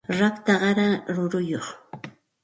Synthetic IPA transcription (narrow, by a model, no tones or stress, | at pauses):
ɾakt̪aɢɑɾaɾʊɾʊjoχ